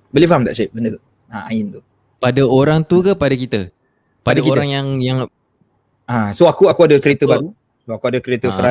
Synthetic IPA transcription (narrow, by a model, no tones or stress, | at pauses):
bəlifaɦamt̪a̰ʔt͡ʃaɪp̚bəndə | aa̰ɪnt̪u | padaoɾaŋt̪ukapadakit̪ə | padakioɾɾaŋjaŋjaŋ | ãsoakuakuadəkəɾet̪əbaɾu | soakuadəkəɾet̪əfəɾa